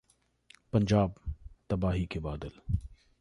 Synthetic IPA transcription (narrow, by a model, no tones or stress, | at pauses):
pɐɲd͡ʒaːb̚t̪ɐbaːɦikebaːd̪əl